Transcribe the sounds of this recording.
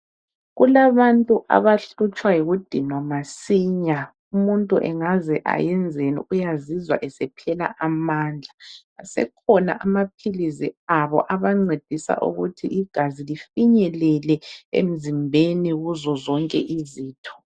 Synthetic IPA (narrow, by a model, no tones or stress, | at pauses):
ɣulaβantʼuʔa̰βaɬut͡ʃʼwajiɣud̥ʱinɔmasiːɲa | umuntʼuʔɛ̰ŋazɛʔa̰jɛnd͡zʱenḭʔujazizwa̰ʔɛsɛpʰɛla̰ʔamaːnd͡ɮʱa | asɛ̰kʰɔna̰ʔamap̚ʰiliziaβɔ̰ʔaβaŋ͡ǀed̥ʱisa̰ʔṵɣutʰiʔiɡ̥ʱazilifiɲɛlɛlɛḛm̩zimbʱeniɣuzɔzɔŋkʼɛʔiziːtʰɔ̥